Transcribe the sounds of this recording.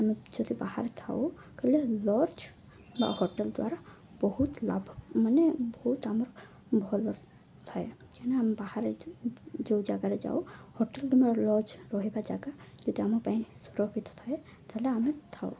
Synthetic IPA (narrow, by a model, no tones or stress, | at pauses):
amid͡ʒɔd̪ibahaɾɛt̪ʰa̰ʊ | kɔlɛlɔɾd͡ʒ | ba̰hɔʈɛld̪wa̰ɾa | bɔhut̪la̰bʱmanɛbɔhut̪amɔɹ | bʱɔlːɔb | t̪ʰɔjkanɛamibahaɾe | d͡ʒod͡ʒaɡaɾɛd͡ʒa̰ʊhɔʈɛldimalɔɾd͡ʒɹɔɦibad͡ʒaɡad͡ʒɔd̪iamɔɹpaɦĩsuɾɔkʰit̪ʰɔ̥t̪ʰɔj | t̪aɦilɛamit̪ʰaʊ